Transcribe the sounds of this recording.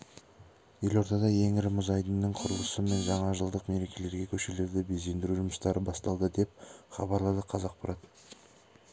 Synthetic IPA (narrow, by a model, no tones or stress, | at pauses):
je̞lo̞ɾt̪ɑd̪ɑje̞ŋɪɾɪmʊzɑjd̪ənːəɴqʰʊɾəlˠəsəme̞nʒɑɴɑʒəlˠd̪əqme̞ɾe̞kʲʰe̞le̞ɾɡʲe̞kʲʰɵʃe̞le̞ɾd̪ɪbe̞ze̞nd̪ɪɾuʒʊməst̪ɑɾəbɑst̪ɑlˠd̪əd̪e̞p̚χɑbɑɾlˠɑd̪əqʰɑzɑq̚bʰɑɾɑt̪ə